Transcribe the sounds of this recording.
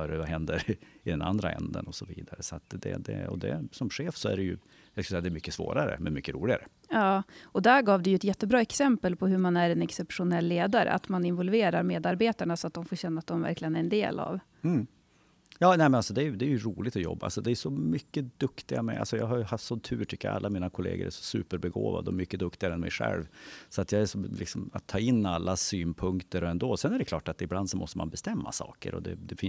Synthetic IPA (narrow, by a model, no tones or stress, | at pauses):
œːɾvaɦɛnd̪əɾɪd̪ɛna̰nd̪ɾaɛ̰nd̪ə̰nɔsɔvḭːd̪aɾəsɔat̪d̪ɛ̰d̪ɛ̰ɔ̰d̪ɛ̰sɔmɧeːfsɔæ̰ɾɛjɵ̰ | jɑskasɛjad̪ɛːɾmʏkːəsvo̰ːɾaɾə̰mɛnmʏkːəɾṵːlɪɡaɾə | jɑːɔd̪æɾɡɑːvd̪ɛjɵɛt̪jɛt̪ːəbɾɑːɛksɛmpəlpʰɔɦɵmanæɾɛnɛksɛpʂʊnɛlːeːd̪aɾə̰ʔa̰t̪manɪnvɔlveːɾaɾmeːd̪aɾbeːt̪aɳasɔat̪̚d̪ɔmfoːɾɕɛnːaːt̪̚d̪ɔmvæ̰ɾklɪɡənæɾɛnd̪eːlʔa̰v̩ | jɑːnɛmɛnalsɔd̪ɛæjɵd̪ɛːɾjɵɾuːlɪt̪ɔjɔ̰bːaa̰lsɔd̪ɛːʂɔmʏkːəd̪ɵkt̪ɪɡamɛ̰ʔa̰lsɔjɑ̰ːɡɦaɾjɵhafsɔt̪ʰʉ̟ːʈʰʏkːəɾa̰lːamiːnakʰʊlḛːɡə̰ɾʔæʂɔ̥sʉːpəɾbɛɡo̰ːva̰d̪əɔmʏkːəd̪ɵkt̪ɪɡaɾəɛnmɛ̰jɧɛ̰lvsɔat̪jɑːɡæʂɔlɪksɔmat̪ʰːɑːɪnːalːasyːnpʰɵŋkt̪əɾɔɛnd̪oːsɛnæɖɛkʰlɑːʈat̪ɪbland̪sɔmɔst̪əmʔa̰nbɛst̪ɛmːasɑ̰ːkə̰ɾɔ̰d̪ɛ̰d̪ɛfɪ